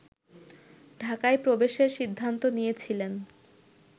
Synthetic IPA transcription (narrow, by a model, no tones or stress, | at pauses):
ɖʱakaepɾobeʃeɾʃid̪ʱːant̪onijet͡ɕʰilen